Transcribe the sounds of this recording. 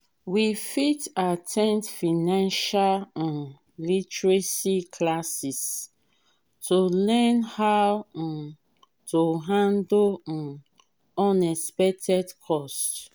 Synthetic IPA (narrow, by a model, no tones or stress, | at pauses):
wifitatʰɛ̃ntfinãnʃalãn | litɹesikʰlasis | tʰolɛnha | tʰoɦãndõ | ɔ̃nɛspɛk̚tʰɛdkʰɔst